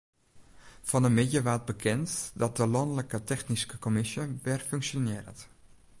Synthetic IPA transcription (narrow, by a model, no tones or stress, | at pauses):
v̥ɑnənmɪjəʋad̚bəkʰɛntdɑt̚dəlɔndələkətɛχniskəkomɪsjəʋɛrfɵŋkʃonɪːrə̰nt